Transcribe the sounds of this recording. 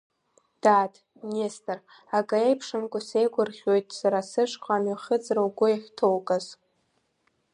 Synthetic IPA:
d̥atʰ | nestʰʼɨr | aɡʼaejpʰʂɨmkʷʼʊsejɡʷʊrχʲo̞jtʼsaɾasɨʂkʷʰʼaːmaχʲəd͡zrawɡʷʊiħʷᶣtʰowkʼaz

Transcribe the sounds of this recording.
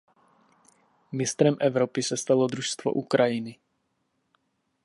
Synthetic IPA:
mɪst̪ɾɛmʔɛvɾopɪsɛst̪alod̪ɾuʃst̪vo̰ʔukɾʔajɪnɪ

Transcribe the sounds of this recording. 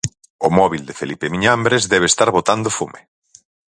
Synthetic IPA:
ʊmɔβild̪efelipemiɲambɾezðɛβest̪aɾβot̪and̪ofume

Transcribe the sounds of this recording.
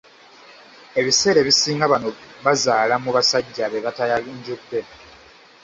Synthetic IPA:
e̞βise̞ːɾe̞βisiːŋɡaβano̞βazaːlamuβasaɟːaβeβatajaiɲɟukpe

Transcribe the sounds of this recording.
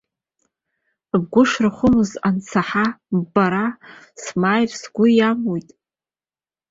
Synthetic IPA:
b̚ɡʷʊʂrɨχʷʊmɨzant͡sʰaħabaɾa | smaːjrsɡʷʊjamojtʼ

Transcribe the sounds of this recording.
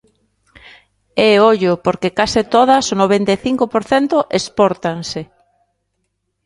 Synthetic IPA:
eoʎʊpoɾkekasɪt̪oð̞ɐsonoβ̞ent̪eθiŋkopoɾθent̪ʊʔespɔɾt̪aŋsɪ

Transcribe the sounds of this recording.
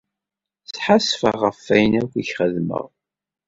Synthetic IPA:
θħasfəʁəfːæjənækʷːiçχəðmə̰ʁ

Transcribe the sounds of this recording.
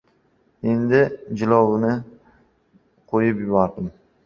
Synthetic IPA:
end̪ɪd͡ʒɪlɒwnɪ | qʰojɪpjɪbɒɾd̪ɪm

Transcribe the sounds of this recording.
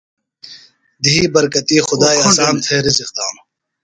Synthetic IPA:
d̪iiːbɐɾkɐt̪iːxʊd̪aːjɐsaːnt̪ʰeːɾiziq̚d̪aːm

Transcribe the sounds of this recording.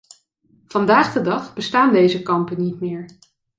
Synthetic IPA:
v̥ɑndaːχdədɑχbəstaːndejzəkɑmpənitmɪːɹ

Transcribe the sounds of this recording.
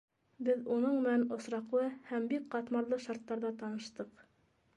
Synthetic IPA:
bɘðunɤɴmɘ̆nænŏsɾɑqlˠɤhæmbikqɑt̪mɑɾlˠɤʃɑɾt̪ːɑɾðɑt̪ɑnɤ̆ʃt̪ɤq

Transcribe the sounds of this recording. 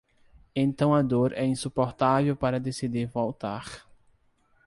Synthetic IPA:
ẽnt̪ɐ̃w̃ɐd̪oɾɛĩsupoɾt̪avewpaɾɐd̪esid̪iɾvowt̪aɾ

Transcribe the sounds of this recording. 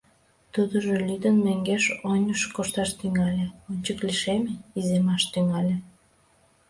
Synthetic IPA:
t̪ud̪əʒelʲyd̪ənmeŋɡeʃonʲəʃkoʃt̪ɑʃt̪yŋɑlʲeonʲt͡ɕəkliʃemeizemɑʃt̪yŋɑlʲe

